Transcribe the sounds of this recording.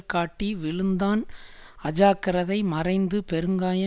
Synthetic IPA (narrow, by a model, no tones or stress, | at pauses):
kaːʈːiʋɪɭɯnd̪aːn | ɐd͡ʒaːkɐɾɐðɐɪmɐrɐɪnd̪ɯpɛɾɯŋɡaːjɐ